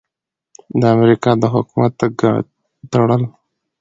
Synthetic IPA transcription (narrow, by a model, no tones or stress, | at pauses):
d̪əamɾikɑd̪əɦʊkumat̪ːaɡ | t̪aɽəl